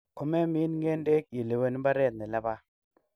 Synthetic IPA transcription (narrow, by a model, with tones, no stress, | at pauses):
ko˨me˦mi˦n˦ŋe˦nde˦k̚ji˨le˨wə˦n˦ba˦ɾe˦˨t̪̚ne˨la˦ba˦